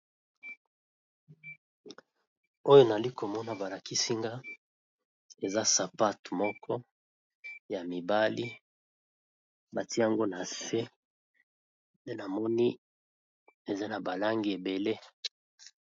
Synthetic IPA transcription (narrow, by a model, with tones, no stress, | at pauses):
o˦jo˦na˨li˦ko˨mɔ˦na˨ba˨la˨ki˦si˦ŋɡa˦ | e˨za˦sa˨pa˦tmɔ˦kʰɔ˦ | ja˨mi˨ba˦li˦ | ba˨ti˦ja˨ŋɡo˦na˨se˦ | nde˦na˨mɔ˦ni˦ | e˨za˦na˨ba˨la˦ŋɡi˨e˨be˨le˦